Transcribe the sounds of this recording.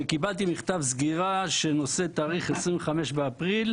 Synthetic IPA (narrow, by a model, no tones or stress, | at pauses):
kibalt̪imiχt̪avzɡiʁaʃeno̞set̪aːʁiχesʁinveχameʃbeapʁil